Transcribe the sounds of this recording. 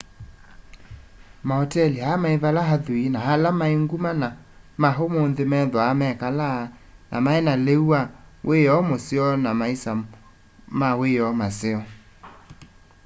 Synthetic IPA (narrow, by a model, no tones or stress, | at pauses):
maɔtɛlihamaevalaɦaðuinaɦalamaeŋɡumana | maɦomonðemɛðɔamɛkala | nʔa̰maɛnaleuawʔeɔmoseɔnamaisa | maweɔmaseɔ